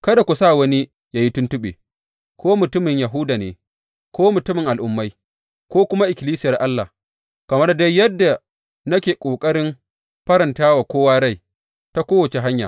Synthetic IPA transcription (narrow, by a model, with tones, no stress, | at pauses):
kɐ˦da˨kʷu˨saː˦wɐ˦ni˦ | jaː˨ji˦tʊ˦ntʊ˦ɓḛː˨ | kʷʰoː˦mʊ˨tʊ˦mɪ˨ɲjɐ˨ɦʊ˦daː˨nḛː˨ | kʰʷoː˦mʊ˨tʊ˦mɪ˨ŋʔa˨lʔʊ˨mːa˦j | kʷoː˦kʷʊ˦ma˦ʔɪ˨kʲɪ˨liː˦sɪ˦jɐ˨rʔa˦lːa̰˨ | kɐ˨mɐ˦rda˦jjɐ˦dːa˨ | nɐ˦kʲeː˨kʷʼoː˨kʼɐ˦ɾɪ˦m | ɸɐ˦ɾɐ˨ntaː˦waː˨kʷoː˦waː˦ɽa˦˨j | ta˦kʷoː˦wɐ˨t͡ʃe˨ɦa˦ɲja̰˨